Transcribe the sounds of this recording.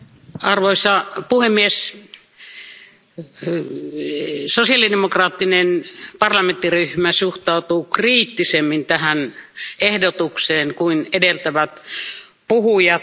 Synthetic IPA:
ɑrʋoisɑpuhemːies | sosiɑlidemokrɑːt̪ːinenpɑrlɑment̪ːiryhmæsuht̪ɑˑut̪uːkriːt̪ːisemːint̪æhænehdot̪ukseːnkuinedelt̪æʋæt̪ | puhujɑ

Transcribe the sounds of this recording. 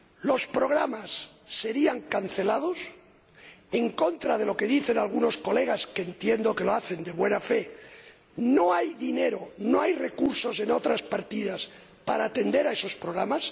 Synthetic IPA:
lo̞spɾo̞ɣɾamasːe̞ɾiaŋkan̟θe̞lað̞o̞s | e̞ŋko̞nt̪ɾað̞e̞lo̞ke̞ðiθe̞nalɣ̞uno̞sko̞le̞ɣ̞askeːnt̪je̞nd̪o̞ke̞lo̞aθe̞nd̪e̞βwe̞nafe̞ | no̞ajðine̞ɾo̞noajre̞kuɾso̞se̞no̞t̪ɾaspaɾt̪iðas | paɾaːt̪e̞nd̪e̞ɾae̞so̞spɾo̞ɣ̞ɾamas

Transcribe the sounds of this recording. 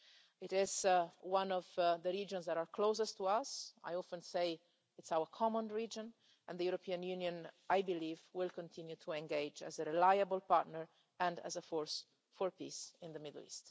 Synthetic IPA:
ɪtɪzwãnɔvd̪əɾiːd͡ʒɔ̃nsd̪ɛɾaɹkʰloːsəst̪uasa̰jɔfə̃nsej | ɪtsawəɹkʰɔmɔ̃nɹid͡ʒɔ̃n | ɛ̃nd̪ðəjuɾɔpʰiːãnjunjɔ̃najbiliːvwɪlkɔ̃nt̪ʰĩnjut̪ʰuɛ̃ŋɡeɪd͡ʒæ̰zəɾilajabəlpaɾt̪nəɹ | ɛ̃ndæ̰zəfɔɹs | fɔɹpḭsɪ̃nd̪əmɪd̪l̩ḭst̪

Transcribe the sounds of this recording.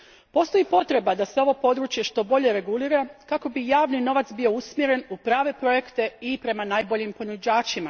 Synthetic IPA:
po̞st̪o̞jipo̞t̪ɾe̞bad̪ase̞o̞ʋopo̞d̪ɾuːt͡ʃje̞ʃt̪o̞bo̞ʎe̞ɾe̞ɡuliːɾakako̞bijaːʋnino̞ʋat̪sbio̞usmje̞ɾe̞nupɾaːʋe̞pɾo̞je̞kt̪e̞ipɾe̞manaːjbo̞ʎimpo̞nud͡ʑaːt͡ʃima

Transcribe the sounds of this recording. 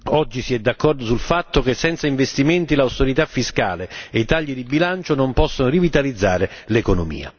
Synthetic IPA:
ɔd͡ʒːisiɛd̪ːakːɔrd̪osulfat̪ːokesːɛnt̪saiɱvest̪iment̪ilawst̪eɾit̪afːiska̰ːleeit̪aʎːid̪ibilant͡ʃonompɔsːonorivit̪alid̪zːa̰ːɾɪlekonomḭːa̰

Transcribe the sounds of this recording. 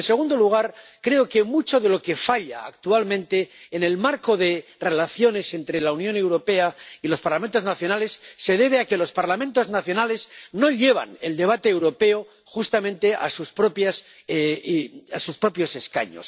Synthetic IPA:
nse̞ɣ̞und̪o̞luɣ̞aɾkɾe̞o̞kemut͡ʃo̞ðe̞lo̞ke̞faʎa̰ːkt̪ualmẽ̞nt̪e̞ːne̞lmaɾko̞ðe̞re̞laθjo̞ne̞se̞nt̪ɾe̞launjõne̞wɾo̞pe̞ailo̞spaɾlament̪o̞znaθjo̞nale̞sːe̞ð̞e̞β̞eake̞lo̞spaɾlamẽnt̪o̞znaθjo̞nale̞zno̞ʎe̞β̞a̰ne̞̰ld̪e̞β̞at̪eːwɾo̞pe̞o | xust̪amẽnt̪e̞ʔa̰suspɾo̞pjas | asuspɾo̞pjo̞se̞ska̰ɲo̞̰s

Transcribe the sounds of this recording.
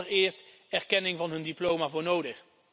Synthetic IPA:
ərɪːɹst | ɛɹkɛnɪŋvɑnɦɵndiplowmavʊːɹnowdəχ

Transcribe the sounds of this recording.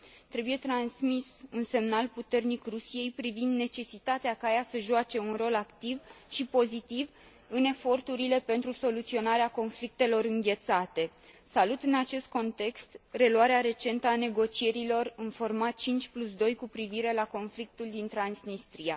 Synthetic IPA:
t̪ɾe̞buje̞t̪ɾansmisunse̞mnalput̪e̞rnikrusije̞jpɾivind̪ne̞t͡ʃe̞sit̪at̪eakajasəʒuat͡ʃe̞unro̞lakt̪ivʃipo̞zit̪iv | ɨne̞fo̞rt̪uɾile̞pe̞nt̪ɾuso̞lut̪sio̞naɾeako̞nflik̚t̪e̞lo̞ɾɨŋɡʲe̞t̪sat̪e̞ | salut̪ɨnat͡ʃe̞st̪̚ko̞nt̪e̞kst̪re̞luaɾeaɾe̞t͡ʃe̞nt̪əane̞ɡo̞t͡ʃie̞ɾilo̞rɨnfo̞rmat̪̚t͡ʃint͡ʃʲplus̬d̪o̞jkupɾiviɾe̞lako̞nflik̚t̪uld̪int̪ɾansnist̪ɾia

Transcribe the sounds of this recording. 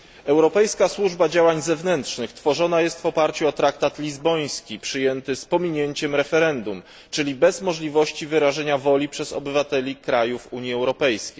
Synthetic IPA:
ɛwɾɔpɛjskaswuʐbad͡ʑawaɲzɛvnɛnt̪ʂnɘxt̪fɔʐɔnajɛst̪vɔpaɾt͡ɕuɔt̪ɾakt̪at̪lʲizbɔj̃skʲipʂɘjɛnt̪ɘspɔmʲiɲeɲt͡ɕɛmɾɛfɛɾɛnd̪um | t͡ʂɘlʲibɛzmɔʐlʲivɔɕt͡ɕivɘɾaʐɛɲavɔlʲipʂɛzɔ̰bɘvat̪ɛlʲikɾajufuɲjiɛwɾɔpɛjskʲej

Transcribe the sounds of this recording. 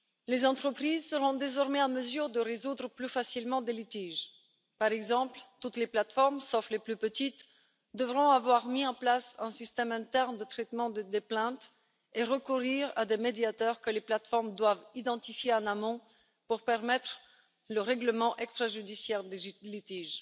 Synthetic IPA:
lezɑ̃t̪χəpχizsəʁɔ̃d̪ezɔʁmɛaməzyʁd̪əʁezud̪ʁəplyfasilmɑ̃d̪elit̪iʒ | paʁɛɡzɑ̃plt̪ut̪leplat̪fɔʁmsɔfleplypət̪it̪ | d̪əvʁɔ̃avwaʁmiɑ̃plasɛ̃sist̪ɛmɛ̃t̪ɛʁnd̪ət̪χɛt̪mɑ̃d̪əd̪eplɛ̃t̪ | eʁəkuʁiʁa̰d̪emed̪jat̪œʁkəleplat̪fɔʁmd̪wavid̪ɑ̃t̪ifjeɑ̃namɔ̃ | puʁpɛʁmɛt̪χ | ləʁɛɡləmɑ̃ʔɛkst̪χaʒyd̪isjɛʁd̪elit̪iʒ

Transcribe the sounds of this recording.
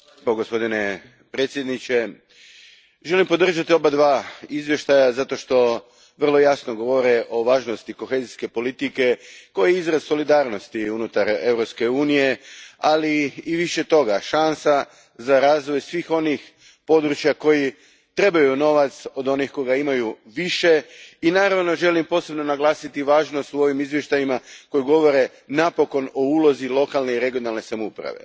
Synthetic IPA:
poɡospo̞d̪ine̞ | pɾeːt̪sʲjed̪nit͡ʃe̞ | ʒe̞limpo̞d̪r̩ʒat̪io̞bad̪ʋaːizʋje̞ʃt̪ajazat̪o̞ʃt̪o̞ | ʋər̩lˠo̞jasnoɡo̞ʋo̞ɾeʔo̞ʋaːʒno̞st̪iko̞xe̞ːziske̞po̞lit̪ike̞ko̞jeizɾazso̞lid̪aːɾno̞st̪iunut̪aɾe̞vɾopske̞uːnije̞aliːʋiʃe̞t̪o̞ɡaʃansa | zaɾaːzʋo̞jsʋiːxo̞nix | po̞d̪ɾut͡ʃjako̞ji | t̪ɾe̞bajuno̞ʋat̪so̞d̪o̞nixko̞jɡaimajuʋiʃe̞inaːɾaʋno̞ʒe̞limpo̞ːse̞bno̞naɡlˠaːsit̪iʋaːʒnost̪uo̞ʋimizʋje̞ʃt̪ajimako̞juɡo̞ʋo̞ɾe̞ | napo̞ko̞no̞uːlˠo̞zilˠo̞kalˠne̞iɾe̞ɡijo̞nalne̞samoupɾa̰ʋe̞̰

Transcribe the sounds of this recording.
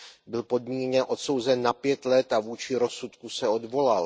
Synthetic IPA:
bɪlpo̞d̚miːɲɛʔo̞t̪so̞wzɛnːapjɛt̪lɛt̪avuːt͡ʃɪɾo̞sut̪kusɛo̞dvo̞lal

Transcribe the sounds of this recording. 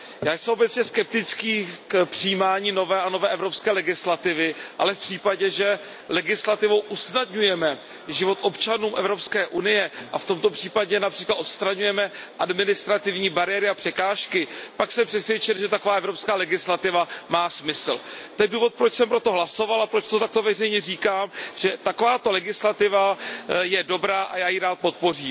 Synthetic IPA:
jaːjsɛmʔobɛt͡sɲɛskɛp̚t̪ɪt͡skiːkpr̥ɪjiːmaːɲiːno̞vɛːʔano̞vɛːʔɛvɾo̞pskɛːlɛɡɪslat̪ɪvɪʔa̰lɛfpr̥iːpaɟɛʒɛ | lɛɡɪslat̪ɪvowʔusnadɲujɛmɛ | ʒɪvo̞t̪ʔo̞pt͡ʃanuːmʔɛ̰vɾo̞pskɛːʔunɪjɛʔaft̪omt̪o̞pr̥iːpaɟɛnapr̥iːklat̪ot̪st̪ɾaɲujɛmɛʔadmɪnɪst̪ɾat̪ɪvɲiːbaɾɪjɛɾɪapr̥ɛkaːʃkɪpaksɛmpr̥ɛsvjɛt͡ʃɪlʒɛt̪ako̞vaːʔɛvɾo̞pskaːlɛɡɪslat̪ɪvamaːsmɪsl̩t̪ɛjɛduːvo̞t̪̚pɾot͡ʃsɛmpɾo̞t̪o̞ɦlaso̞valapɾo̞t͡ʃt̪ot̪ak̚t̪o̞vɛrɛjɲɛriːkaːmʒ̥ɛt̪akovaːt̪o̞lɛɡɪslat̪ɪvajɛdo̞bɾaːʔa̰jaːjiɾaːt̪̚po̞t̪̚po̞riːm

